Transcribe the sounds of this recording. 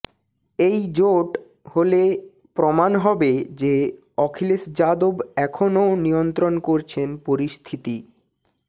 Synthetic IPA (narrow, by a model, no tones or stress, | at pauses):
ejd͡ʑoʈ | hole | pɾomanɦɔbed͡ʑe | ɔkʰilesd͡ʑad̪obɛkʰonowniont̪ɾonkoɾt͡ɕʰenpoɾist̪ʰit̪i